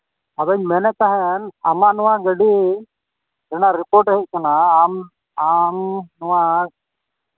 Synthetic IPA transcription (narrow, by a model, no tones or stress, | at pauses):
ad̪ɔɲmɛnɛk̪aɦɛna̰manɔwaɡəɖi | ɾɛnaɾipɔɾʈɛɦɛʔ̚kanaːm | amnɔwa